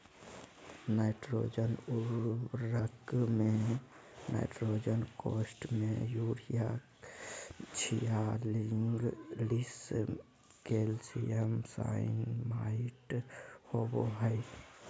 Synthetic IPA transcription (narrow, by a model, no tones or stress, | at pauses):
naɪʈɾod͡ʒənuɾɾəkme | nʔa̰ɪʈɾod͡ʒənkosʈmejuɾija | t͡ʃʰijaliŋɡlis | kelsijəmsa̰inmaiʈhoboɦəj